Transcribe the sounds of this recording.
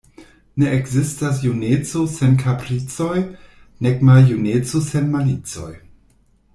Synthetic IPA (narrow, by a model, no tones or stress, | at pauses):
ne̞ʔekzistas̬junet͡sosenkʰapɾit͡so̞j | neɡmaljunet͡sose̞nmanit͡so̞̰j